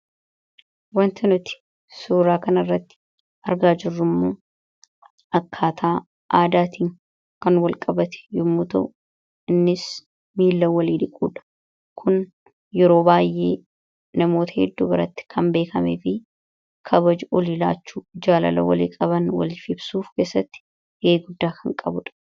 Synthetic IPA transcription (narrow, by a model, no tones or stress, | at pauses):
wɐnt̪ɪnʊt̪ɪ̥ | suːɾaːkɐnɐrːɐt̪ːɪ̥ | ɐɾɡaːd͡ʒɪrːʊmːoː | ɐkʰːaːt̪ʰaː | ʔaːd̪aːt̪iːŋ | kɐnwɐlkʼɐbɐt̪ɛ̥jʊmːuːt̪ɐʔʊ | ɪnːɪs | miːlːɐwɐliːᶑ̪ɪkʼːuːᶑɐ̥ | kʰʊn | jɛɾo̞ːbaːjʔːe̞̰ː | nɐmo̞ːt̪ɐhɛ̰d̪ːuːbɪɾɐt̪ːɪ̥kʰɐmbe̞ːkʰɐmeːfɪ | kʰɐbɐd͡ʒʊʔɔlila̰ːt͡ʃːuːd͡ʒaːlɐ̰lɐ̰wɐlḭːkʼɐβɐnwɐ̰lfɪbsuːfke̞ːsːɐt̪ːɪ̥ | ɡeːɡʊd̪ːaːkʰɐŋkʼɐbʊᶑɐ̥